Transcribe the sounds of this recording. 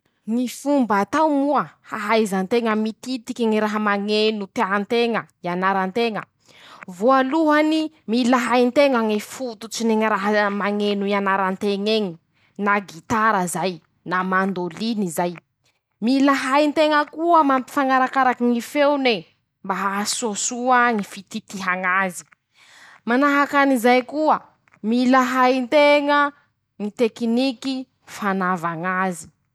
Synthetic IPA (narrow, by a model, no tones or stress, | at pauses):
ŋifumbat̪awmuəha̰ɦajzant̪eŋəmit̪it̪ikʲiŋiɾaɦəmaŋenut̪eant̪eŋəianaɾant̪eŋə̰ | voaluɦani | milaɦajnt̪eŋaŋifut̪ut͡sineŋiɾaɦəmaŋenuianaɾant̪eŋeɲi | naɡit̪aɾəzaj | namand̪olinizaj | milaɦajnt̪eŋəkuəmampi̥faŋaɾakaɾakiŋifewne | mbaɦasosuaŋifit̪it̪iɦaŋazi̥ | manaɦakanizajkuə | milaɦajnt̪eŋə | ŋit̪ekiniki | fanavaŋazi̥